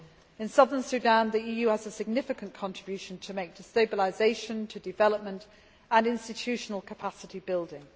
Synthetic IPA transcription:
ɪ̃nsʌðənsʉdãnðiiːjʉːəzəsɪɡ̚nɪfɪkə̃nkʰɒ̃nɹ̥ɪbjʉˑʃə̃ntʰəmeɪk̚d̥ɪstəʊbəlɪzeɪʃə̃ntʰədɪvɛləp̚mə̃nt | ə̃nɪ̃nstɪt͡ʃʰʉˑʃənəlˠkʰəpʰasɪtʰibɪlˠdɪ̃ŋ

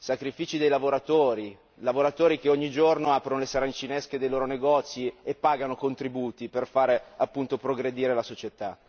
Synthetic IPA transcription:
sakɾifiːt͡ʃid̪ejlavoɾat̪oːɾi | lavoɾat̪oːɾikeoɲːid͡ʒornoaːpɾonolesaɾanit͡ʃinesked̪ejloːɾoneɡɔt̪sːiepːaːɡanokont̪ɾibuːt̪iperfaːɾeapːunt̪opɾoɡɾed̪iːɾelasot͡ʃet̪a

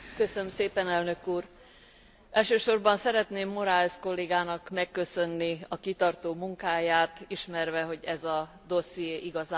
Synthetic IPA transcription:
kø̞sønmseːpɛnɛlnø̞kuːr | ʔɛlʃøːʃo̞rbɒnsɛɾɛt̪neːmːo̞ɾalsko̞lːeːɡaːnɒkmɛkːø̞sø̞nːiɒkit̪ɒrt̪oːmuŋkaːjaːt̪iʃmɛrvɛɦo̞ɟɛzɒ | d̪o̞sijeːʔiɡɒzaː

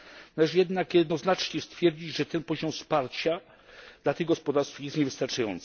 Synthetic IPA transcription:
nalɛʐjɛd̪nakjɛd̪nɔznat͡ʂɲɛst̪fʲjɛɾd͡ʑid͡ʑʐɛt̪ɛnpɔʑɔmspaɾt͡ɕa | d̪lat̪ɘɣɡɔspɔd̪aɾst̪fjɛst̪ɲɛvɘst̪aɾt͡ʂajɔnt̪s

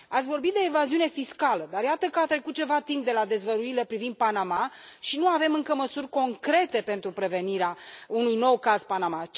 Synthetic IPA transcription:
at̪sʲvo̞rbit̪̚d̪e̞ːvaziune̞fiskaləd̪arjat̪əkəat̪ɾe̞kut̪̚t͡ʃe̞vat̪imp̚d̪e̞lad̪e̞zvəɾuilepɾivind̪̚panamaʃinuave̞mɨŋkəməsurʲko̞ŋkɾe̞t̪e̞pe̞nt̪ɾupɾe̞ve̞niɾeaunujno̞wkazpanama

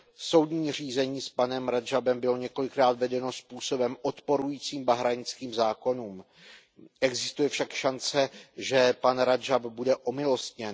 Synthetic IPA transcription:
so̞wdɲiːr̝iːzɛɲiːspanɛmɾad͡ʒabɛmbɪlo̞ɲɛko̞lɪkɾaːt̪vɛdɛno̞spuːso̞bɛmʔo̞t̪po̞ɾujiːt͡siːmbaɦɾaɲɪt͡skiːmzaːko̞nuːm | ʔɛɡzɪst̪ujɛfʃakʃant͡sɛʒɛpanɾad͡ʒabbudɛʔo̞mɪlo̞st̪ɲɛn

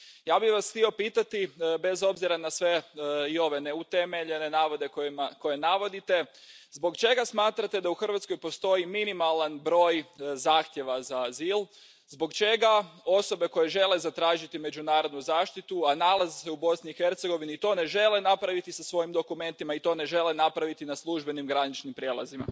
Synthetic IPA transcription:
jaːbixʋasxt̪io̞piːt̪at̪ibe̞zo̞bziɾanasʋe̞io̞ʋe̞neut̪e̞me̞ʎe̞ne̞naːʋo̞d̪e̞komko̞je̞naʋo̞d̪it̪e̞zbo̞ɡt͡ʃe̞ɡasmaːt̪ɾat̪e̞d̪auxr̩ʋat̪sko̞jpo̞st̪o̞jiminimalanbɾo̞ːjzaːxt̪je̞ʋazaːziːlˠ | zbo̞ɡt͡ʃe̞ɡao̞so̞be̞ko̞je̞ʒe̞le̞zat̪ɾaːʒit̪ime̞d͡ʒunaːɾo̞d̪nuzaːʃt̪it̪uanalˠaziseubo̞sniixe̞ɾt̪se̞ɡo̞ʋiniːt̪o̞ːne̞ʒe̞le̞napɾaʋit̪isasʋo̞jimd̪o̞kume̞nt̪imait̪o̞ːne̞ʒe̞le̞napɾaʋit̪inaslˠuʒbe̞nimɡɾanit͡ʃnimpɾje̞lˠa̰zima̰

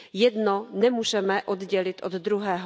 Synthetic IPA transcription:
jɛd̪nonɛmuːʒɛmɛʔod̪ɟɛlɪt̪ʔod̪d̪ɾuɦɛːɦ

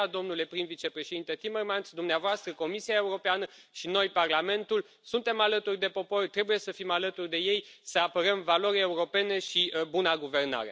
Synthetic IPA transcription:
d̪o̞mnule̞pɾimvit͡ʃe̞pɾe̞ʃed̪int̪e̞t̪imermant̪sd̪umneavoast̪ɾəko̞misiae̞uɾo̞peanəʃino̞jparlame̞nt̪ul | sunt̪e̞malət̪urʲd̪e̞po̞po̞rʲt̪ɾe̞buje̞səfimalət̪urʲd̪e̞je̞jsəapəɾəmvalo̞ɾʲeuɾo̞pe̞ne̞ʃibunaɡuve̞rna̰ɾe

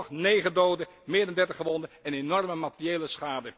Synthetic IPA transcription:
χnejχədowdə | mɪːdɑndɛɹtəχəʋɔndəɛnenɔrməmatərijejləsχaːdə

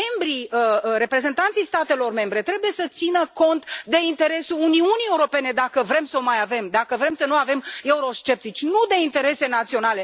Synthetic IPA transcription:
e̞mbɾiəɾe̞pɾe̞ze̞nt̪ant̪sijst̪at̪e̞lo̞rme̞mbɾe̞t̪ɾe̞buje̞sət̪sinəko̞nt̪d̪e̞int̪e̞ɾe̞suluniunijeuɾo̞pe̞ne̞d̪akəvɾe̞msəomajave̞md̪akəvɾe̞msənuave̞me̞uɾo̞ʃt͡ʃe̞p̚t̪it͡ʃʲnud̪e̞int̪e̞ɾe̞se̞nat̪sio̞nale̞

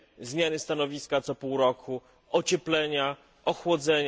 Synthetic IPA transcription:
zmʲjanɘst̪anɔvʲiskat̪sɔpuwɾɔkʰu | ʔɔt͡ɕɛplɛɲa | ɔxwɔd̪zɛɲ

